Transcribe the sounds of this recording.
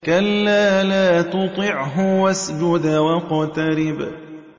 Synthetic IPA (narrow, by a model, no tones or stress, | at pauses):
kalːaːlaːt̪ʊt̪ˤɨʕɦʊwasd͡ʒʊd̪awɑqɑt̪ɑɾɪb